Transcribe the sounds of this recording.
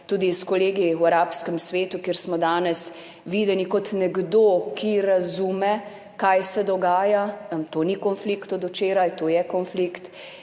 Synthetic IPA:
t̪uːd̪iskɔleːɡiwaɾaːpskɛmsʋeːt̪ukeɾsmɔd̪aːnɛs | ʋiːd̪ɛnikɔt̪nɛɡd̪oːkʰiɾazumɛ | kajsɛd̪ɔɡaːjamt̪oːnikɔnflikt̪ɔd̪ut͡ʃeːɾajt̪oːjɛkɔnflikt̪

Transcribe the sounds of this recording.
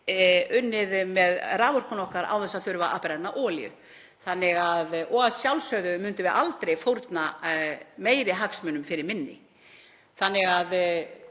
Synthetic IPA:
ʏnːɪðmɛðraːvɔr̥kɔnɔhkaɾa̰wθɛsaðθœɥɾʏvaa̰ːpɪɾaj̪naʔɔːljʏ̰ | θanːɪɣaðɔɣasjawlsœɥðʏmʏnt̪ʏvɛɾa̰ʔalt̪ɾejfowɾt̪na | meːjɾɪɦaksmœnʏmfɪɾɪɾmɪnːɪ̰ | θanːɪɣað

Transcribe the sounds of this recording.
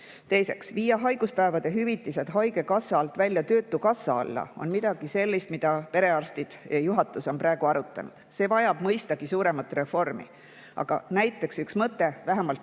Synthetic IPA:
t̪e̞jse̞̰ksviːjɑɦɑjɡ̥uspæevɑd̪̥e̞ɦyvit̪ːˑise̞d̪̥ɦɑjɡe̞kɑsːɑɑlt̪ˑvælʲjɑt̪ø̞ːt̪ːˑukɑsːɑ̰ɑ̰lːɑ̰o̞̰nmid̪̥ɑɡ̥ise̞lʲːist̪mid̪̥ɑpe̞ɾe̞ɑrst̪id̪̥jɑjuɦɑt̪ːˑuso̞npɾɑe̞ɡ̥uɑɾut̪ːˑɑ̰nṵd̪̥se̞ːvɑjɑb̥mɤjst̪ɑɡ̥isuːɾe̞mɑt̪ːˑre̞fo̞rmḭ | ʔɑ̰ɡ̥ɑ̰næjt̪ːˑe̞ksyksmɤt̪ːˑe̞væɦemɑlt̪

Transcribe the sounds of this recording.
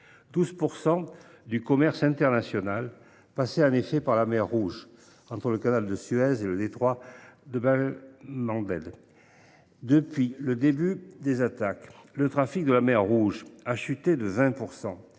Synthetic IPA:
d̪̥uzpuʁsɑ̃ | d̪ykɔmɛʁsɛ̃t̪ɛʁnasjɔnal | paseɛ̃nefɛpaʁlamɛʁːuʒ | ɑ̃t̪χələkanald̪əsyɛzeləd̪et̪χwad̪əbɛlmɑ̃d̪ɛ̰d̪ | d̪əpɥiləd̪ebyd̪ezat̪aklət̪χafik̚d̪əlamɛʁːuʒaʃyt̪ed̪əvɛ̃puʁsɑ̃

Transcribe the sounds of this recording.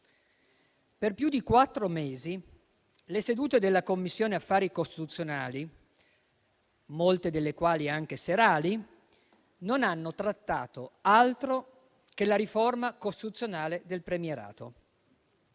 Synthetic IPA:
perpjud̪ikwat̪ːɾomeːzi | lesed̪uːt̪ed̪elːakomːisːjoːneafːaːɾikost̪i̥t̪ut̪sːjonaːli | molt̪ed̪elːekwaːliaŋk̟eseɾaːli | nonanːot̪ɾat̪ːaːt̪oalt̪ɾo | k̟elaɾiformakost̪it̪ut̪sːjonaːled̪elpɾemieɾa̰ːt̪o̰

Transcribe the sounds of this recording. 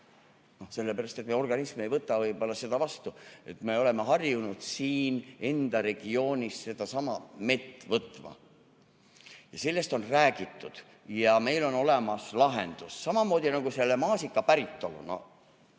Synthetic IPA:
no̞se̞lːepæɾɑst̪e̞t̪meo̞rɡ̥ɑnismee̞jvɤt̪ːˑɑvɤjb̥o̞lːɑse̞d̪̥ɑvɑst̪ue̞t̪me̞o̞le̞meɦɑrjunud̪̥siːne̞nd̪̥ɑɾe̞ɡ̥io̞ːnʲisse̞d̪̥ɑsɑmɑme̞t̪ːvɤt̪ːˑmɑ̰ | jɑse̞lːe̞st̪o̞nræːɡit̪ːud̪̥ | jɑme̞jlo̞no̞le̞mɑslɑɦe̞̰nd̪̥usːɑmɑmo̞ːd̪̥ʲinɑɡuse̞lːemɑːsikːˑɑpæɾit̪ːo̰lṵno̰

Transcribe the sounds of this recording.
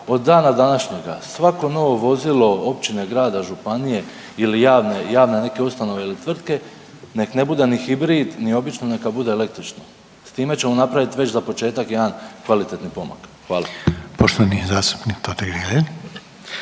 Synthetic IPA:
o̞d̪ːaːnad̪anaʃɲe̞ɡa̰sʋako̞no̞ʋo̞ʋo̞zilo̞o̞pt͡ʃine̞ɡɾaːd̪aʒupanije̞ | ilijaːʋnejaːʋne̞ne̞ke̞ust̪ano̞ʋeilit̪ʋr̩t̪ke̞ | ne̞kne̞bud̪e̞nixibɾiːd̪nio̞bit͡ʃnone̞kabud̪e̞ːle̞k̚t̪ɾit͡ʃno | st̪iːme̞t͡ɕe̞monapɾaʋit̪ʋe̞t͡ɕzapot͡ʃe̞ːt̪akjaːnkʋalit̪e̞t̪nipo̞ma̰kxʋaːlˠapoʃt̪onijezaːst̪u̥pnikt̪ot̪eɡɾileɲ

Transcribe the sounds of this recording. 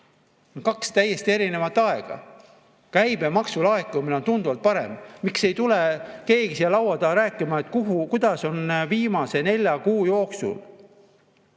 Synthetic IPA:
onkɑkst̪æjːe̞st̪ie̞ɾinevɑt̪ːˑɑe̞ɡ̥ɑ̰ | kæjbe̞mɑksulɑekːˑumineo̞nt̪und̪uvɑlt̪̚pɑɾe̞̰mmikse̞jt̪ule̞ke̞ːɡisjɑlɑwɑd̪ɑɾæːkːˑimɑet̪ːˑkuɦukujd̪̥ɑso̞nviːmɑse̞ne̞lʲjɑkuːjo̞ːksṵl

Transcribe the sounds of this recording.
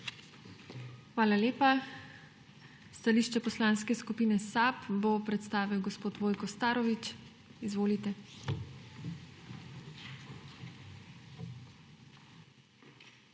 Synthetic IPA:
xʋaːlaleːpa | st̪aliːʃt͡ʃɛpɔslaːnskɛskupiːnɛsapbopɾɛt̪st̪aːʋiwɡɔspoːt̪ʋoːjkɔst̪aːɾɔʋit͡ʃ | izʋoːlit̪ɛ

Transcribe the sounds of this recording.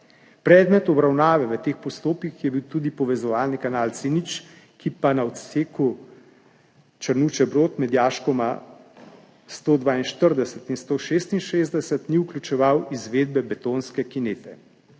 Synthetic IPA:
pɾɛːd̪mɛt̪ɔbɾawnaːʋɛʋət̪eːxpɔst̪oːpkixjɛbiwt̪uːd̪ipɔʋɛzɔʋaːlnikanaːlsinit͡ʃ | kipanaɔt̪seːku | t͡ʃəɾnut͡ʃɛbɾoːt̪mɛd̪jaːʃkɔma | st̪oːd̪ʋaːinʃt̪əɾd̪ɛsɛt̪inst̪oʃeːst̪inʃeːzd̪ɛsət̪niuklʲut͡ʃɛʋawizʋeːd̪̚bɛbɛt̪oːnskɛkineːt̪ɛ

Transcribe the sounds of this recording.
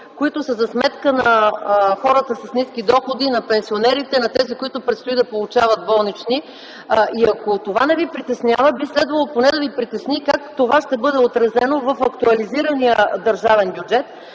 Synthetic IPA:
koit̪ʊsəzɐsmɛt̪kənɐɐxɔɾət̪əsɐsnisk̟id̪ɔxod̪inɐpɛnsionɛɾit̪ɛnɐt̪ɛzikoit̪ʊpɾɛt̪st̪ʊid̪ɐpolˠʊt͡ʃavəd̪̚bɔlˠnit͡ʃni | iɐkot̪ovanɛvipɾit̪ɛsnjavəbislɛd̪vɐlˠoponɛd̪ɐvipɾit̪ɛsnikakt̪ovaʃt̪ɛbɤd̪ɛot̪ɾɐzɛnovɐfɐkt̪uɐliziɾənijəd̪əɾʒavɛnbjud͡ʒɛt̪

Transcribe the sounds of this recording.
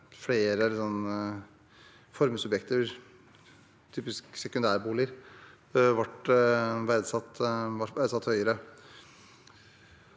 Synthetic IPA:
fleːɾəsɔnː | fɔɾmsʉbjɛkt̪əɾ | t̪ʰyːpɪsksɛkʉnd̪æːɾbuːlɪəɾ | ʋɑʈʋæd̪sɑt̪ːʋɑʋæd̪sɑt̪hœʏəɾə

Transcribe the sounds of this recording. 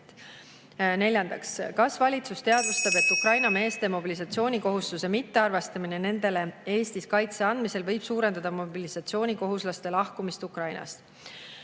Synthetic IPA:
ne̞lʲjɑnd̪ɑkskɑsvɑlʲit̪sust̪e̞ɑd̪̥ust̪ɑb̥e̞t̪ːˑukrɑjnɑme̞ːst̪e̞mo̞bilisɑt̪sio̞ːnʲiko̞ɦust̪use̞mit̪ːe̞ɑrvest̪ɑminene̞nd̪̥e̞le̞e̞ːst̪iskɑjt̪se̞ɑnd̪̥mise̞lvɤjb̥suːɾe̞nd̪̥ɑd̪̥ɑmo̞bilisɑt̪sio̞ːnʲiko̞ɦuslɑst̪e̞lɑhkumist̪ukrɑjnɑ̰st̪

